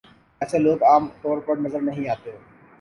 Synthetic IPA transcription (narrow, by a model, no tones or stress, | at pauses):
ɛːseloːɡaːmt̪ɔːɾpəɾnɐzəɾnɐɦĩaːt̪eɦoː